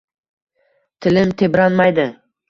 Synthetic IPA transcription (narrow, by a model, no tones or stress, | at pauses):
t̪ʰɪlɪmt̪ʰebɾanmajd̪ɪ